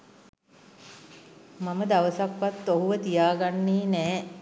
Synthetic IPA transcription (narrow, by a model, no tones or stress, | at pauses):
maməd̪aʋəsakʋat̪ːoɦuʋət̪ijaːɡanːeːnɛː